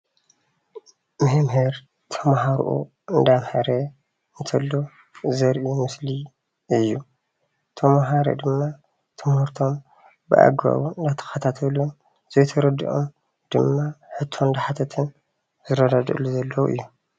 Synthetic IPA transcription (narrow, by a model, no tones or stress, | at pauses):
mɨhɨmhɨɾ | t̪ʰɐmaɦaɾʔṵ | ɨnd̪amhɐɾɐ | ɨnt̪ʰɐlːo | zɐɾʔimɨsli | ʔɨjːu | t̪ʰɐmaɦaɾo̰d̪ɨmːa | t̪ʰɨmhuɾt̪ʰo̞m | bɨ̰ʔa̰ɡβa̰βuɨnd̪at̪ʰɐ̥xɐt̪ʰat̪ʰɐlun | z̥ojt̪ʰɐɾɐd̪iʔo̰m | d̪̥ɨmːaħɨt̪ʰːoɨnd̪aħat̪ʰɐt̪ʰɨn | zɨɾɐd̪ad̪ɨluzɐlːɐw̰ʔɨ̰jːu